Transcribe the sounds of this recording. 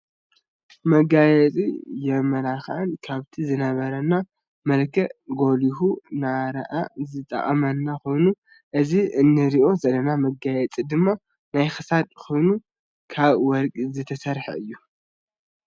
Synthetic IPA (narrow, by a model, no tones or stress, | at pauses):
mɐɡajɛt͡sʼijɛmɐlaxʔɨnkʰaβt̪ʰizɨnɐβɐɾɐnːa | mɐlkʰɐɡo̞liɦunaɾɐ̰ʔazɨt̪ʼɐ̰χʼɐmɐnːaxo̞jnu | ʔɨziɨnːɨɾiʔo̞zɐlɐnamɐɡajɛt͡sʼid̪ɨmːa | najxɨsad̪xo̞jnu | kʰaβwɔɾkʼizɨt̪ʰɐsɐɾħɐ̰ɨjːu